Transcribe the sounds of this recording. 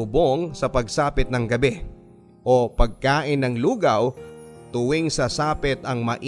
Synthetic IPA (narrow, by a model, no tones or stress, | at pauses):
ʊboŋsɐpɐɡ̚saːpɪt̪̚nɐŋɡɐbɛ | ʔopɐɡ̚kaːʔɪnːɐŋluːɡɐwt̪ʊwɪŋsɐsaːpɪt̪ɐŋmɐʔ